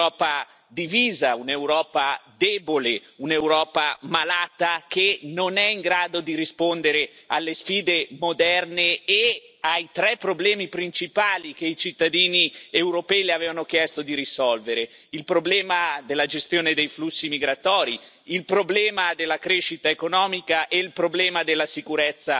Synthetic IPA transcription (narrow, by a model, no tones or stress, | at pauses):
ɔːpa | d̪iviːzaunewɾɔːpad̪eːboleunewɾɔːpamalaːt̪akenonɛiŋɡɾaːd̪od̪iɾispond̪eɾealːesfiːd̪emod̪ɛrneː | ajt̪ɾɛpːɾoblɛːmipɾint͡ʃipaːlik̟eit͡ʃit̪ːad̪iːniewɾopɛːileaveːvanokjɛst̪od̪iɾisɔlveɾeilpɾoblɛːmad̪elːad͡ʒest̪joːned̪ejflusːimiɡɾat̪ɔːɾi | ilpɾoblɛːmad̪elːakɾeʃːit̪aekonɔːmikaʔɛilpɾoblɛːmad̪elːasikuɾɛt̪sːa